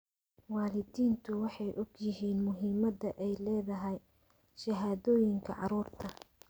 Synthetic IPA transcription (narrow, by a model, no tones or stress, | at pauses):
wɑːlɪdiːnt̪ʰʊwɑħɑjʔɔɡjɪɦiːnmʊɦiːmɐðɐʔɛjlɛːðɐɦɛj | ʃɐɦaːðɔːjɪŋkʰɐ̰ʕɑ̰ɾuːrt̪ʰɐ